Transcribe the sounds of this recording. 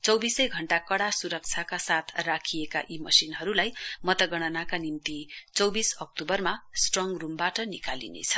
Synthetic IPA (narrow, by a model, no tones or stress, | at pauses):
t͡sʌwbisʌjɡʱʌɳʈakʌɽasuɾʌk̚t͡sʰjakasat̪ʰrakʰijeka̰ʔimʌsinɦʌɾulajmʌt̪ʌɡʌɽ̃ʌnakanimt̪it͡sʌwbisʌk̚ʈubʌrmasʈrʌŋrumbaʈʌnikalḭnḛt͡sʰʌ̥